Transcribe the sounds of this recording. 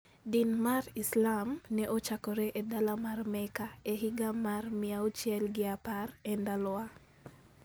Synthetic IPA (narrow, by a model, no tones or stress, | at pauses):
dinmarislamnɛʔot͡ʃakɔɾɛʔedalamarmɛkaeɦɪɡamarmɪaot͡ʃjɛlɡɪaparɛndalwa